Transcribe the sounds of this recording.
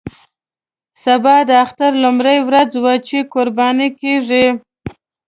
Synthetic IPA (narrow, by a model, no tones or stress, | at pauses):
sabɑd̪əaxt̪aɾlʊmɾajwɾad͡zwat͡ʃekoɾbɑnikeʐi